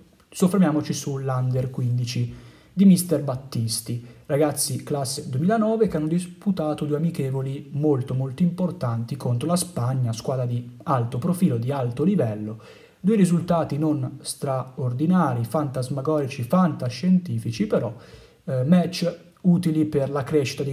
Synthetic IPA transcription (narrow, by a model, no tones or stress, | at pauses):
sofːeɾmjaːmot͡ʃisulːand̪erkwind̪it͡ʃi | d̪imist̪erbat̪ːist̪iraɡat̪sːiklasːed̪wemiːlanɔːvekeanːod̪isput̪aːt̪od̪ueamikɛːvolimolt̪omolt̪oimport̪ant̪ikont̪ɾolaspaɲːaskwaːd̪ɾad̪ialt̪opɾofiːlod̪ialt̪olivɛlːo | d̪uːeɾizult̪aːt̪inonst̪ɾaord̪inaːɾifant̪azmaɡɔːɾit͡ʃifant̪aʃːent̪iːfit͡ʃipeɾɔ | mɛt͡ʃː | uːt̪iliperlakɾeʃːit̪ad̪i